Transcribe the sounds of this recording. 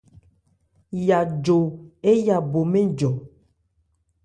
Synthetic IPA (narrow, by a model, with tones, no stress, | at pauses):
ja˨d͡ʒo˨e˦ja˨bo˨mẽ˦d͡ʒɔ˨